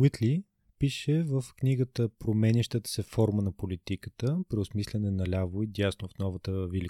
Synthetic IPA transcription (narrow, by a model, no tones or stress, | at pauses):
wit̪li | piʃɛvəfkniɡət̪əpɾomɛniʃt̪ət̪ə̥sɛfɔɾmənɐpolit̪ikət̪əpɾiʊsmislʲɛnɛnɐlʲavoid̪ʲjasnofnɔvət̪əvili